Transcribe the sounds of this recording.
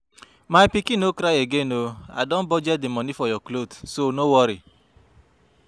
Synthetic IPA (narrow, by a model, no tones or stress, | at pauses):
maipikinokɾaeɡenoa̰dɔ̃n̩bɔd͡ʒɛdimɔ̃nifɔjɔklodsonowɔɾi